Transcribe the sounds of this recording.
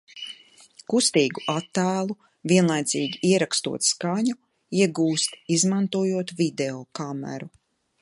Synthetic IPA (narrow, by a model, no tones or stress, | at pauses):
kust̪iːɡuʔat̪ːæːlˠu | vʲiɛnlˠajd̪ziːɡʲiiɛɾakst̪ṵɔt̪skaɲu | iɛɡuːst̪izmant̪uɔjuɔt̪vʲid̪ɛɔːkamɛ̰ɾu